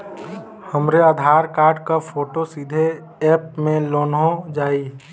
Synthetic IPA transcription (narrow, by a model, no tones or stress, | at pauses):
həmɾeaːd̪ʱaːɾkaːɾɖkapʰoːʈosid̪ʱe | ɛːp̚mẽloːnɦõd͡ʒaːi